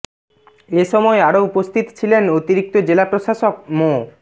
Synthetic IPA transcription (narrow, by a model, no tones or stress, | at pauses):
eʃɔmɔeaɾoupost̪ʰit̪t͡ɕʰilenot̪iɾik̚t̪od͡ʑelapɾoʃaʃok̚mo